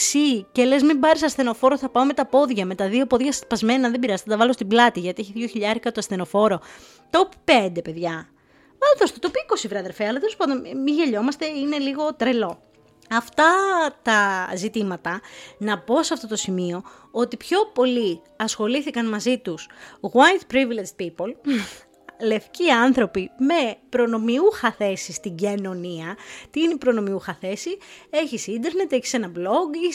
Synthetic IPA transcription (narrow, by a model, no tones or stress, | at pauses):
sice̞lezmimbɐɾisɐsθe̞no̞fo̞ɾoθɐpɐome̞t̪ɐpo̞ðʝɐme̞t̪ɐðio̞po̞ðʝɐspɐzme̞nɐðebiɾɐzt̪t̪ɐvɐlost̪iblɐt̪iʝɐt̪ieçiðʝo̞çiʎɐɾikɐt̪oɐsθe̞no̞fo̞ɾo̞ | t̪o̞ppend̪e̞pe̞ðʝɐ | vɐlðost̪et̪opiiko̞sivɾeɐðeɾfeɐlɐt̪elespond̪enmiʝeʎo̞mɐst̪e̞ine̞liɣo̞t̪ɾe̞lo̞ | ɐft̪ɐt̪ɐzit̪imɐt̪ɐnɐpo̞seɐft̪o̞t̪o̞simio̞ | ot̪ipço̞po̞li | ɐsxo̞liθikɐnmɐzit̪usɣwajt̪pɾiviled͡ʒ̪pipol | le̞fciɐnθɾo̞pime̞pɾo̞no̞miuxɐθe̞sist̪iɟeno̞niɐt̪iinepɾo̞no̞miuxɐθe̞sie̞çisind̪eɾne̞t̪eçi̥se̞nɐblo̞ɡ